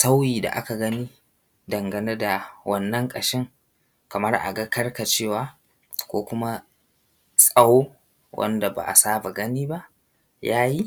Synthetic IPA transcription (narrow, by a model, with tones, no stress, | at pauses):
sa˦wjiː˨da̰˨ʔa̰˦ka˨ɡɐ˦niː˦ | dɐ˨ŋɡɐ˨ne˦da˨wɐ˦nːɐ˦ŋkʼɐ˨ʃɪ˦ŋ | kɐ˨mɐ˦rʔa̰˨ɡɐ˦kɐ˦rka˨t͡ʃeː˦˨waː˦ | kʷoː˦kʷʊ˦ma˦ | sʼɐ˨woː˦ | wʔɐ̰˦nda˨ba̰˨ʔa̰˨saː˦ba˨ɡɐ˦niː˦ba˦ʔ | jaː˦ji˦